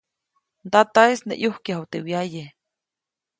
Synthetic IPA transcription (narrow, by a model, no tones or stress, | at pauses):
nd̪at̪aesnḛʔjuhkjaɦat̪ewjaje